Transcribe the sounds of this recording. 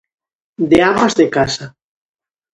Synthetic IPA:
d̪eamazðekasa

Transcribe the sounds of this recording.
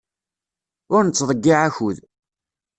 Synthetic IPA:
ʊɾnət͡sːðˤəɡːiʕaçuð

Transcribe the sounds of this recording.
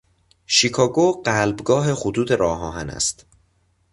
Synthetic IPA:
ʃikʰɒːɡoɢælbɡɒːɦe̞xot̪ʰuːt̪e̞ɾɒːɦɒːɦænæ̰st̪

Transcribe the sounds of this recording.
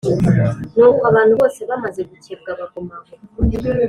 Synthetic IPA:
noβuaβaːnuβo̞ːseβamazeɡuceb̚ɡaβaɡomaβo

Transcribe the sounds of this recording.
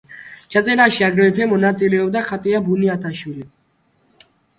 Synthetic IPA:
t͡ʃʰat̪sʼɛɾaʃiaɡɾɛɛpʰɛmɔnat̪sʼilɛɔbd̪aχat̪ʼiabuniat̪ʰaʃwili

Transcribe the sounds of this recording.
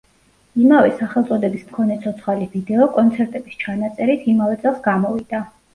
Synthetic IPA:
imavɛsaχɛlˠt̪sʼɔd̪ɛbismkʰɔnɛt̪sʰɔt̪sʰχalivid̪ɛɔkʼɔnt̪sʰɛɾt̪ʼɛbi̥st͡ʃʰanat̪sʼɛɾit̪ʰimavɛt̪sʼɛlˠsɡamɔvid̪a

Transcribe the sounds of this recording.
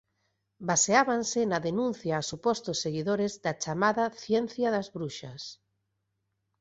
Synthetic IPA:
baseaβansɪnaðenũnθjaːsupɔst̪osːeɣiðoɾezd̪ɐt͡ʃamaðɐθjɛnθjaðɐzβɾuʃɐs

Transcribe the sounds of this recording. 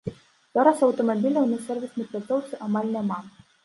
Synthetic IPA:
zɔɾasɐwt̪ɔmɐbʲilʲɐwnɨsɛrvʲisnɨpʲlʲat̪sɔwt̪sɨʔamalʲnʲɛma

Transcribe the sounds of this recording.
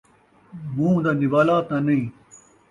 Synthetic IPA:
mũːd̪ɐnibaːlaːt̪nanɐĩ

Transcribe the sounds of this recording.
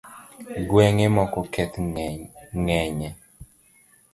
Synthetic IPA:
ɡwɛŋɛmɔkɔkʰɛt̪ | ŋɛɲɛ

